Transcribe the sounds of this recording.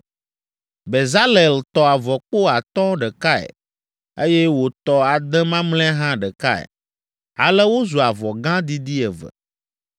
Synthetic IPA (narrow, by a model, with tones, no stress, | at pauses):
be˨za˦le˨lt̪ɔ˨a˨vɔ˨k͡po˦a˨t̪ɔ̃˦ɖɛ˨ka˦ɛ̰˨ | e˦jɛ˦wo˨t̪ɔ˨a˨d̪ɛ̃˦mã˦ml̃ɛ̃˦ɦã˦ɖə˨ka˦ɛ̰˨ | a̰˨lɛ˦wo˦zu˨a˨vɔ˨ɡã˦d̪i˦d̪i˦ɛ˨və̰˨